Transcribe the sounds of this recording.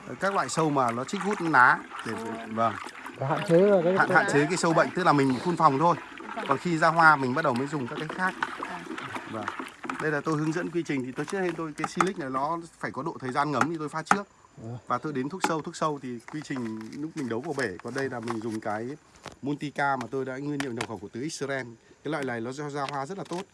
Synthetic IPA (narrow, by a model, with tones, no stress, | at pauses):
ə˨˩kaː˦˥k̚la̰ː˧˨jsə˧wmaː˨˩lɔ˨˦t͡ɕï˦˥k̚vu˦˥t̚nʔaː˨˦ɗe˧˩və˨˩ŋ˦ha̰ː˧˨nt͡ɕe˨˦˨a̰ː˧˨nha̰ː˧˨nt͡ɕe˨˦kaː˨˦jsə˧wɓə̰˧˨jŋ̟t̪ɨ˦˥k̚laː˨˩mï˨˩ŋ˨˩t̪ʰu˧nfa˨˩wŋ͡mt̪ʰo˧j | kɔ˨˩nxi˧zaː˧ɦwaː˧mï˨˩ɓa˦˥t̚ɗə˨˩wməː˨˦jzʊ˨˩ŋ͡mkaː˦˥kːaː˨˦xaː˦˥k̚ | və˨˩ŋɗə˧jlaː˨˩t̪o˧jhɨ˨˦əŋzə̰˧˥nkwi˧t͡ɕï˨˩ŋ̟t̪ʰi˨˩t̪o˧jt͡ɕɨ˦˥t̚he˧nt̪o˧jkaː˨˦jsi˧lï˦˥k̟̚na˨˩jlɔ˨˦faː˧˩jkɔ˨˦ɗo̰˧˨t̪ʰəː˨˩jzaː˧nŋə˨˦mɲɨ˧t̪o˧jfaː˦t͡ɕɨ˦˥ək̚ | vaː˨˩t̪o˧jɗe˨˦nt̪ʰu˦˥ək̚sə˧wt̪ʰu˦˥ək̚sə˧wt̪ʰi˨˩kwi˧t͡ɕi˨˩ŋ̟nu˦˥k̚mï˨˩ŋ̟ɗə˨˦wvaː˨˩ɓe˧˩kɔ˨˩nɗə˧jlaː˨˩mï˨˩ŋ̟zʊ˨˩ŋ͡mkaː˨˦jmu˧nt̪i˧kaː˧maː˨˩t̪o˧jɗa̰ː˧˥ŋɨ˧ənɲḭ˧˨ɲa˨˩wxə˧˩wku˧˩t̪ɨ˨˦ʔi˦k̚sə˧zɛ˧nkaː˨˦jla̰ː˧˨laː˨˩jlɔ˨˦zɔ˧˦zaː˧ɦwaː˧zə˦˥t̚laː˨˩t̪o˦˥t̚